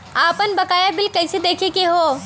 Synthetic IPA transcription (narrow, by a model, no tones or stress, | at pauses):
aːpənbɐkaːjabɪlkɐjsed̪eːkʰekeɦoː